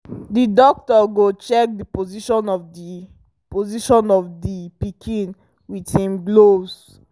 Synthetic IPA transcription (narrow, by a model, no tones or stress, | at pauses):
didɔk̚tɔɡot͡ʃɛk̚dipoziʃɔ̃nɔfi | poziʃɔ̃nɔfdipikʰĩn | withĩmɡlos